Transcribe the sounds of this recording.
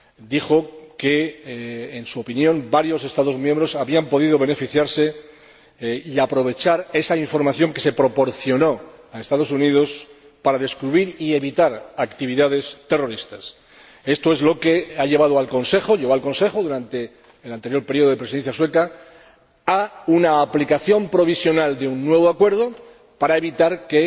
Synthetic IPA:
d̪ixo̞keː | nsuopinjõ̞mbaɾjo̞se̞st̪aðo̞zmjẽmbɾo̞saβiampo̞ð̞ið̞o̞β̞e̞ne̞fiθjaɾse̞ | iapɾo̞β̞e̞t͡ʃaɾe̞saiɱfo̞ɾmaθjo̞ŋke̞se̞pɾo̞po̞ɾθjo̞no̞aest̪að̞o̞suniðo̞s | paɾaðe̞skɾuβiɾie̞βit̪aɾakt̪iβ̞iðaðe̞st̪e̞ro̞ɾist̪as | e̞st̪o̞ezlo̞ke̞aʝe̞βað̞oalko̞nse̞xo̞ʝeβoalko̞nse̞xoðuɾant̪e̞ː | lant̪eɾjo̞ɾpe̞ɾio̞ð̞oepɾesiðenθjaswe̞ka | aunaːplikaθjo̞mpɾo̞β̞isjo̞nald̪eunːwe̞β̞oakwe̞ɾðo̞ | paɾae̞βit̪aɾke

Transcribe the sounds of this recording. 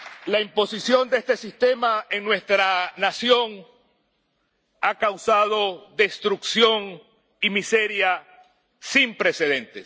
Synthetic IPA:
laimpo̞sisjo̞nd̪eest̪e̞sist̪e̞maeŋnwe̞st̪ɾanasjo̞ŋ | akawsað̞o̞ðe̞st̪ɾuksjo̞ŋ | imise̞ɾja | simpɾe̞se̞ðe̞nt̪e̞s

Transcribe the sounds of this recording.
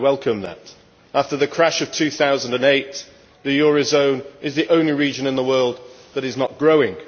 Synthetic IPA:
wɛlˠkʰə̃mðə̰t | aftəðɨkʰɹ̥aʃʌv̥tʰʉθaʊzə̃n̩dɨ̃neɪt̪ | ðɨjɔɹɨzõʊ̃nɪzðiʔõʊ̃nliɹid͡ʒɨ̃nɨ̃nðəwɜːlˠd̪̚ | ðəɾɨznət̚ɡ̥ɹoʊɪ̃ŋ

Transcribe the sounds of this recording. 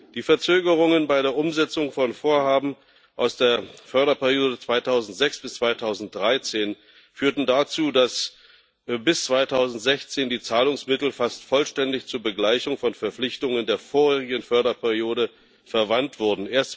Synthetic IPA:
d̥iːfɛɐt͡søːɡəʁ̞ʊŋənbaɪɾeːɐʔʊmzɛt͡sʊŋfɔnfoːɐhaːbm̩ | ʔaʊsd̥eːɐfœɐɾɐpɛɐʁijoːdət͡sv̥aɪtʰaʊzn̩tz̥ɛksb̥ɪst͡sv̥aɪtʰaʊzn̩t̚d̥ʁaɪt͡seːn | fyːɐtn̩dat͡suːdas | bɪst͡sv̥aɪtʰaʊzn̩tz̥ɛçt͡seːndiːt͡saːlʊŋsmɪtl̩fastfɔlʃtɛndɪçt͡suːɐbəɡlaɪçʊŋfɔnfɛɐflɪçtʊŋəndeːɐfoːʁeːʁɪɡən̩fœɐɾɐpʰɛɐʁijoːɾə | fɛɐvantv̥ʊɐdn̩ʔeːɐst

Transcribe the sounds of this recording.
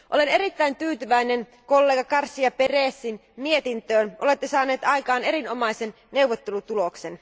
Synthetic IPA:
ʔo̰lene̞ɾit̪ːæint̪yːt̪yʋæine̞n | ko̞lːeːɡɑkɑrsːiɑpereːsːinmie̞t̪int̪øːnʔo̞le̞t̪ːesɑːne̞ːt̪ɑjkɑːne̞ɾinomɑise̞n | ne̞uʋːot̪ːe̞lut̪ulo̞ksen

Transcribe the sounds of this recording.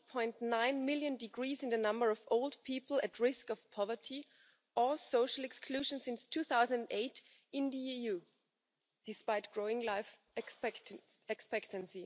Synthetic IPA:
pʰɔ̃ɪ̃ntnãɪ̃nmɪlˠjɨ̃ndɨɡɹiːzɨ̃nðɨnʌ̃mbə˞ʌvoʊlˠdpʰipl̩ˠɨtʰɹɪskʌv̥pʰɑvə˞tʰi | ʔə˞soʊʃl̩ˠɛkskʰl̥ʉʒə̃nsɪ̃nstʰuθaʊzə̃ñndeɪt | ɪ̃nðɨijuː | d̥ɨspaɪt̚ɡ̥ɹoʊɪ̃ŋlaɪf | ɛkspɛktə̃nsi

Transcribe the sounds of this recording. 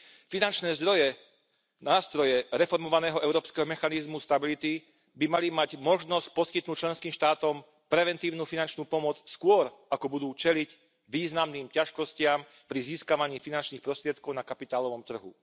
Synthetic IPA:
finant͡ʃnɛːzd̪ɾɔjɛ | naːst̪ɾɔjɛɾɛfɔɾmɔʋanɛːɦɔʔɛʊɾɔːpskɛːɦɔmɛxanizmust̪abilit̪i | bimalimaɟmɔʒnɔsc̚pɔskit̪̚nuːc̚t͡ʃlɛnskiːmʃt̪aːt̪ɔm | pɾɛʋɛnt̪iːʊnuːfinant͡ʃnuːpɔmɔt͡sskʊɔɾakɔbud̪uːt͡ʃɛlic | ʋiːznamniːmcaʃkɔscɪam | pɾiziːskaʋaɲiːfinant͡ʃniːxpɾɔst̪ɾɪɛt̪̚kɔʊnakapit̪aːlɔʋɔmt̪r̩ɦṵ

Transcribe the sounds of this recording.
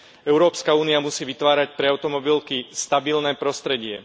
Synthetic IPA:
ɛʊɾɔːpskauːniamusiːʋit̪ʋaːɾacpɾɛaʊt̪ɔmɔbilkist̪abilnɛːpɾɔst̪ɾɛɟɪɛ

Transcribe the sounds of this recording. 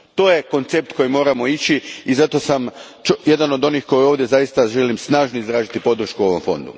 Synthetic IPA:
t̪o̞ːje̞ko̞nt̪sep̚t̪ko̞jimo̞ːɾamo̞it͡ɕiizat̪o̞sam | t͡ʃje̞d̪ano̞d̪o̞nixko̞joʋd̪je̞zajist̪aʒelimsnaːʒnoizd̪ɾaːʒit̪ipo̞d̪r̩ʃkuo̞ʋo̞mfo̞̰nd̪ṵ

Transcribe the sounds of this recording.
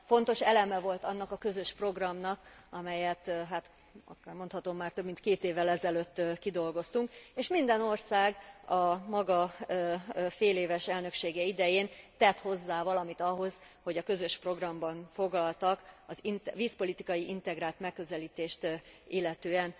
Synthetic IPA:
fo̞nt̪o̞ʃɛlɛmɛvo̞lt̪ɒnːɒkɒkøzø̞ʃpro̞ɡrɒmnɒkɒmɛjɛt̪ɦat̪ | ɒ̰kːarmont̪hɒt̪o̞mːaːrt̪ø̞bmint̪keːt̪eːvːɛlɛzɛløːt̪ːkid̪o̞lɡo̞st̪uŋkeːʃmind̪ɛno̞rsaːɡɒmɒɡɒ | feːleːvɛʃɛlnøkʃeːɡɛid̪ɛjeːnt̪ɛt̪ho̞zːaːvɒlɒmit̪ɒɦo̞z̥ho̞ɟɒkø̞zø̞ʃpro̞ɡrɒmbɒnfo̞ɡlɒlt̪ɒkɒzinviːspo̞lit̪ikɒjiʔint̪ɛɡraːlt̪mɛkːø̞zɛliːt̪eːʃt̪ilːɛt̪øːɛn

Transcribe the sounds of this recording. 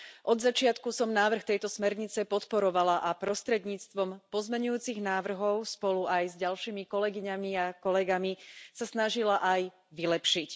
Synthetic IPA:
ʔɔd̪zat͡ʃɪat̪kusɔmnaːʋr̩xt̪ɛjt̪ɔsmɛɾɲit͡sɛpɔt̪pɔɾɔʋalaʔapɾɔst̪ɾɛd̪ɲiːt͡st̪ʋɔmpɔzmɛɲujuːt͡siɣnaːʋr̩ɦɔʊspɔluajzɟalʃiːmikɔlɛɡiɲamiakɔlɛɡamisasnaʒilaʔaj | ʋilɛpʃic

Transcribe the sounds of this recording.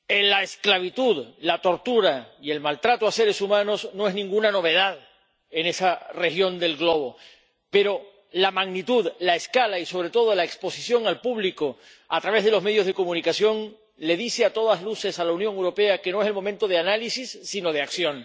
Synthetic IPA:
elaesklaβit̪uðlat̪o̞ɾt̪uɾaie̞lmalt̪ɾat̪oase̞ɾe̞sumãno̞sno̞eznĩŋɡunano̞β̞e̞ð̞að | e̞ne̞sare̞xjo̞nd̪e̞lɣlo̞β̞o̞ | pe̞ɾo̞ | lamaɣnit̪uðlaeskalaiso̞β̞ɾe̞t̪o̞ð̞olaekspo̞sisjo̞ŋalpuβliko̞ | at̪ɾaβe̞zðe̞lome̞ðjo̞zð̞e̞ko̞mũnikasjo̞ŋ | le̞ðiseat̪o̞ðazluse̞salaunjoŋewɾo̞pe̞ake̞no̞e̞selmo̞mẽnt̪o̞ð̞eanalisisːino̞ð̞e̞aksjo̞ŋ

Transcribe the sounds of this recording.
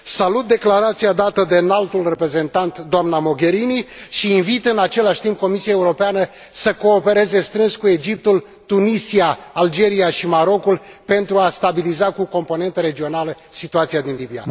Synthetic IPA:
salut̪̚d̪e̞klaɾat̪siad̪at̪əd̪e̞nalt̪ulre̞pɾe̞ze̞nt̪ant̪d̪oamnamo̞ɡʲe̞ɾiniʃiːnvit̪ɨnat͡ʃe̞laʃʲt̪imp̚ko̞misiae̞uɾo̞peanə | səko̞ːpe̞ɾe̞ze̞st̪ɾɨnskue̞d͡ʒip̚t̪ul | t̪unisiaald͡ʒe̞ɾiaʃimaɾo̞kulpe̞nt̪ɾuast̪abilizakuko̞mpo̞ne̞nt̪əɾe̞d͡ʒio̞naləsit̪uat̪siad̪inlibia̰

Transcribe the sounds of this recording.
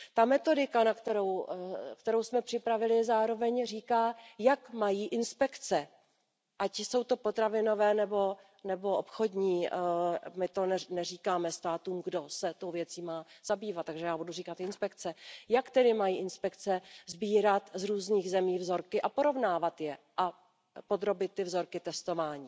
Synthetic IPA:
t̪amɛt̪o̞dɪkanakt̪ɛɾowkt̪ɛɾo̞wsmɛpr̥ɪpɾavɪlɪzaːɾo̞vɛɲriːkaːjakmajiːʔɪnspɛkt͡sɛ | ʔacso̞wt̪o̞po̞t̪ɾavɪno̞vɛːnɛbo̞ | nɛbo̞ʔopxo̞dɲiː | mɪt̪o̞nɛnɛriːkaːmɛst̪aːt̪uːmɡdo̞sɛt̪o̞wvjɛt͡siːmaːz̥abiːvat̪̚ːaɡʒɛjaːbuduriːkat̪ɪnspɛkt͡sɛjakt̪ɛdɪmajiːʔɪnspɛkt͡sɛzbiːɾat̪zɾuːzniːɣzɛmiːvzo̞ɾkɪʔapo̞ɾo̞vnaːvat̪jɛʔa | po̞d̪ɾo̞bɪt̪̚t̪ːɪvzo̞ɾkɪt̪ɛst̪o̞vaːɲiː

